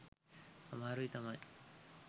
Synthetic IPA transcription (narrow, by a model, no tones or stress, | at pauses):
amaɾɯit̪ama